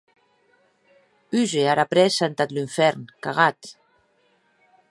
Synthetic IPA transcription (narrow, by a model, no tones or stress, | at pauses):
yzeaɾapɾɛsant̪at̪liɱfɛɾnkaɣat̪